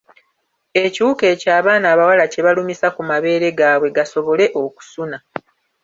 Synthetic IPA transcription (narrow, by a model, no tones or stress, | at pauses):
e̞ciuke̞ːcaːβaːnaːβawalace̞βalumisakumaβe̞ːɾe̞ɡaːβwe̞ɡaso̞βo̞le̞ʔo̞ku̥suna